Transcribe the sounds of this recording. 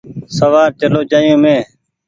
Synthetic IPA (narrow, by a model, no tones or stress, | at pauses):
səʋaːɾt͡ʃəloːd͡ʒaːjõːmẽː